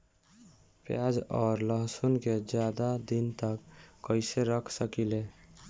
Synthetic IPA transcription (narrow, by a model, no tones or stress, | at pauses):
pjad͡ʒɔːɾləɦsunked͡ʒjad̪ad̪int̪əkːəɪseɾəkʰsəkile